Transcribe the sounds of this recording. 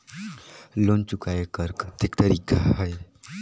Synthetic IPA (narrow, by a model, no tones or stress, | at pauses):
lont͡ʃʊkaekəɾkt̪ikt̪əɾiːkaɦəj